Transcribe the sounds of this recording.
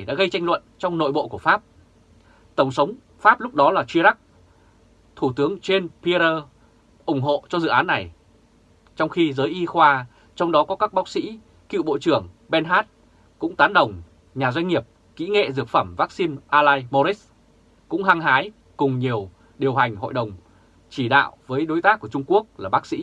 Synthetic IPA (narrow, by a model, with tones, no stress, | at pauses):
a˨˩jɗa̰ː˧˥ɣə˧jt͡ɕa˧jŋ̟lwə̰˧˨nt͡ɕɔ˧wŋ͡mno̰˧˨jɓo̰˧˨ku˧˩əfaː˦˥p̚ | t̪ə˧˩wŋ͡msə˨˦wŋ͡m | faː˦˥p̚lʊ˦˥k͡p̚ɗɔ˨˦laː˨˩t͡ɕwi˧əɗa˦˥k̚ | t̪ʰu˧˩t̪ɨ˨˦əŋt͡ɕe˧npi˧ɾəː˧ | ʔʊ˧˩ŋ͡mɦo̰˧˨t͡ɕɔ˧zɨ̰˧˨ʔaː˨˦nːa˨˩j | t͡ɕɔ˧wŋ͡mxi˧zəː˨˦jʔi˧xwaː˧ | t͡ɕɔ˧wŋ͡mɗɔ˨˦kɔ˨˦kaː˦˥k̚ɓaː˦˥w̚sḭ˧˥ | kḭ˧˨wɓo̰˧˨t͡ɕɨ˧˩əŋɓɛ˧nɦaː˦˥t̚ | kʊ̰˧˥ŋ͡mt̪aː˨˦nɗə˨˩wŋ͡m | ɲaː˨˩zwa˧jŋ̟ŋi˨˩əp̚ | kḭ˧˥ŋḛ˧˨zɨ˨˩ək̚fə˧˩mvaː˦˥k̚si˧nʔaː˧laː˧jmo˧ɾi˦˥s | kʊ̰˧˥ŋ͡mɦa˧ŋɦaː˨˦j | kʊ˨˩ŋ͡mɲi˨˩əw | ɗi˨˩əwɦa˨˩jŋ̟ɦo̰˧˨jɗə˨˩wŋ͡m | t͡ɕi˧˩ɗa̰ː˧˨wvəː˨˦jɗo˨˦jt̪aː˦˥k̚ːu˧˩ət͡ɕʊ˧ŋ͡mku˦˥ək̚laː˨˩ɓaː˦˥k̚sḭ˧˥